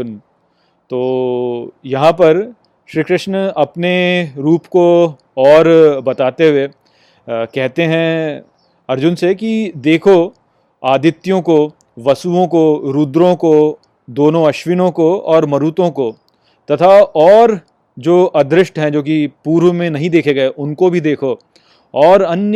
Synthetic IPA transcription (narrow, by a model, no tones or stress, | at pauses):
n | t̪oː | jɐɦãpɐɾ | ʃɾiːkɾɪʃnəɐpneɾuːpko | ɔːɾbɐt̪aːt̪eɦʊe | kɛɦt̪eɦɛ̃ | ɐɾd͡ʒʊnsekid̪eːkʰo | aːd̪ɪt̪ːjõko | ʋɐsuõkoɾuːd̪ɾõko | d̪oːnõɐʃʋɪnõkoɔːɾmɐɾuːt̪õko | t̪ɐt̪ʰaɔːɾ | d͡ʒoːʔɐd̪ɾɪʃʈɦɛ̃d͡ʒoːk̬ipuːɾʋmẽnɐɦĩd̪eːkʰeɡɐeʔʊnkobʱid̪eːkʰo | ɔːɾɐnj